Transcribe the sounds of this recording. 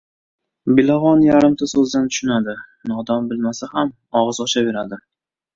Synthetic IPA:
bɪlaʁɒnjaɾɪmt̪ʰasɵzd̪ant̪ʰʊ̥ʃɪnad̪ɪnɒd̪ambɪlmasaham | ɒʁɨzɒʃabe̞ɾad̪ɪ

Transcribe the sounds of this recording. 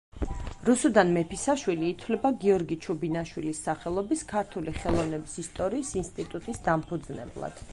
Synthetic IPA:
ɾusud̪anmɛpʰisaʃwiliːt̪ʰwlɛbaɡiɔɾɡit͡ʃʰubinaʃwilisːaχɛlˠɔbiskʰaɾt̪ʰuliχɛlˠɔvnɛbisist̪ʼɔɾiːsinst̪ʼit̪ʼut̪ʼisd̪ampʰud̪znɛ̰blˠa̰d̪̥

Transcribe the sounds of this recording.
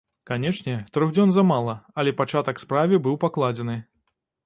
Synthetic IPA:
kanʲɛʂnʲɛt̪ɾɔɣd͡zʲɔnzɐmalˠɐɐlʲɛpat͡ʂat̪ɐkspɾavʲɨbɨwpaklˠad͡zʲɛnɨ

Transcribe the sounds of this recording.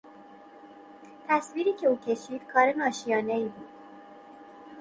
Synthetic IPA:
t̪ʰæsviːɾiːcʰe̞uːcʰe̞ʃiːd̪̥kʰɒːɾe̞nɒːʃijɒːne̞iːbuːd̪̥

